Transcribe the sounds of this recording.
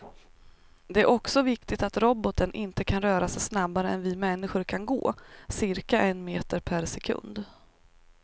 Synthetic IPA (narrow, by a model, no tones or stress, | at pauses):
d̪ɛæɾʔɔksɔvɪkt̪ɪt̪at̪ɾɔbɔt̪ənʔɪnt̪əkʰanɾœːɾasɛjsnabːaɾəɛnvɪmɛnːɪɧʊɾkʰanɡo̰ːsɪɾkaʔɛnmeːt̪əɾpʰæɾsɛkʰɵ̰nd̪